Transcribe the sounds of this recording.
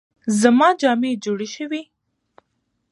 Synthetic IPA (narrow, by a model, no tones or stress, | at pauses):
zamɑd͡ʒɑmed͡ʒoɽeʃəwi